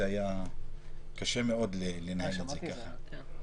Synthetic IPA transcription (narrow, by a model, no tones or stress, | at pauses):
eaja | kaʃemeod̪lelenheletzekaχa